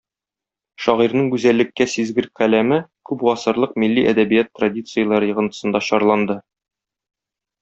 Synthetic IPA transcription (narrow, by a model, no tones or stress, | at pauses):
ʃɒʁiɾnɤɴɡʉzælːɘ̆kːæsizɡɘɾqælæmɘkʉpʁɒsɤ̆ɾlˠɤqmilːiʔæ̰d̪æbijæt̪ːradʲit̪sɨjəlˠɑɾɤjɤ̆ʁɤ̆nt̪ɤ̥̆sɤ̆nd̪ɑɕɒɾlˠɑnd̪ɤ